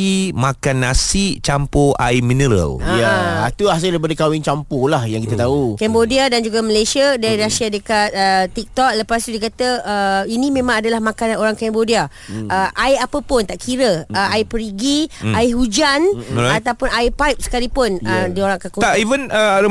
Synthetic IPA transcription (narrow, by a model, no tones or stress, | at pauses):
imakanːasit͡ʃampoa̰jminəɾə̰lajaa̰t̪uas̬aldip̬adəkawɪŋt͡ʃampolahjãŋkit̪at̪aukɛmbodiadand͡ʒuɡaməlajsiadaɾiɾasiadəkat̪̚ət̪ik̚t̪ɔk̚ləpas̬t̪udikat̪əːinĩmẽmãŋadalahmãkannoɾaŋkɛmbodia | ʔəʔajapəpʊnt̪aʔkʰiɾəəaipəɾiɡiaɪɦud͡ʒanat̪awpʊnajpajp̚sə̥kalipʊnədioɾaŋkakut̪aivənəaɾə